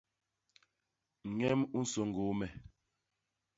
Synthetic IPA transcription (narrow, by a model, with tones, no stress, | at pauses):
ŋ̩˨ŋɛ˦mu˦n̩˦so˨ŋ˨ɡo˨˦mɛ˨